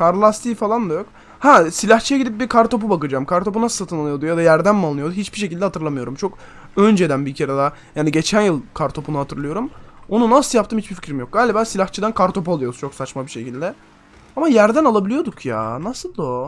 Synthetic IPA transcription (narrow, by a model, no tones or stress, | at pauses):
kʰaɾlˠast̪ʰiːfalˠand̪ajo̞k | hæsilʲaxt͡ʃʰijaɟid̪ip̚biɾkʰaɾt̪o̞p̬ubakɯd͡ʒaːmkʰaɾt̪o̞p̬unasɯ̥lat̪ʰɯnalˠɯjo̞d̪ujad̪ajæɾd̪ænmalˠnɯjod̪uɦit͡ʃbiʃ̬ecilʲd̪ɛhat̪ʰɯɾlˠamɯjo̞ɾumt͡ʃʰo̞k | ø̞nd͡ʒe̞d̪ænbicʰeɾed̪a | jaːniɟe̞t͡ʃʰænjɯlˠkʰaɾt̪ʰo̞punuhat̪ʰɯɾlˠɯjo̞ɾumo̞nunasɯlˠjap̚t̪ɯmhit͡ʃbiɾfi̥cʰɾimijok̚ɡaːlʲibaːsilʲaxt͡ʃʰɯd̪ænkʰaɾt̪ʰo̞pualˠujod̪u̥t͡ʃʰo̞ksat͡ʃmabiʃe̞cʰilʲd̪ɛ | amajæɾd̪ænalˠabilʲijo̞d̪ukʰja̰ːnasɯlˠd̪o